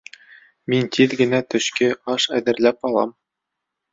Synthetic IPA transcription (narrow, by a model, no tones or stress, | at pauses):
mint̪ʰiðɡɘ̆næt̪ɵ̆ɕkɘɑʃæðɘ̆ɾlæpɑlˠɑm